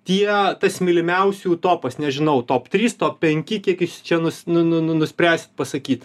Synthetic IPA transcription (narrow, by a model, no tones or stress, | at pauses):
t̪ʲiɛt̪ɐsmʲɪlʲɪmʲɛʊsʲuːt̪oːpɐsnʲɛʒʲɪnɐʊt̪oːpt̪ʲɾʲiːst̪oːpʲpʲɛŋʲkʲɪkʲiɛkɪʃt͡ʃʲɛnʊsnʊnʊnʊnʊsʲpʲɾʲæːsʲɪ̥t̪pɐsɐkʲiːt̪